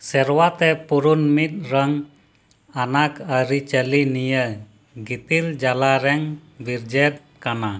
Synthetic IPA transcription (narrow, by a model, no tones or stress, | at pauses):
sɛɾwat̪ɛpuɾunmit̪̚ɾəŋ | anakəɾit͡ʃəlinijə | ɡit̪ild͡ʒalaɾɛŋbiɾd͡ʒɛp̚ | kana